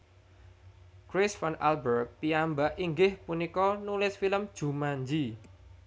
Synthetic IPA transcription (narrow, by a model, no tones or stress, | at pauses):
kɾɪsfana̰lbərt̚piambaʔiŋɡɪhpunikɔnulɪsfiləmd̥ʒ̥ṳmaɲd͡ʒi